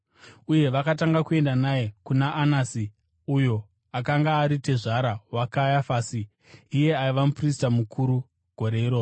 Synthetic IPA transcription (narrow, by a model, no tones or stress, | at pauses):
uje̞ʋakataŋɡakue̞ndanaekunaʔːnasi | ujo̞ | akaŋɡaːɾite̞ʐaɾawakajafaːsiː | je̞aiʋamupris̬tamukʰuɾu | ɡ̥ʱo̞ɾeiɾo̞ːro